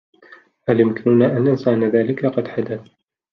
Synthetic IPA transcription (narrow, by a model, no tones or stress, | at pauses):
ʔaljʊmkɪnʊnaːʔanːansaʕnaðaːlɪkaqɑd̪ħad̪aθ